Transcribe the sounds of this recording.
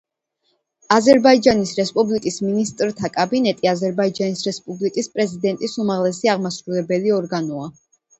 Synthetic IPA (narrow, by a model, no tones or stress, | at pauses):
azɛɾbaid͡ʒanisɾɛspʼublikʼisminist̪ʼɾt̪ʰakʼabinɛt̪ʼiazɛɾbaid͡ʒanisɾɛspʼublikʼispʼɾɛzid̪ɛnt̪ʼisumaʁlɛsiaʁmasɾulɛbɛliɔɾɡanɔa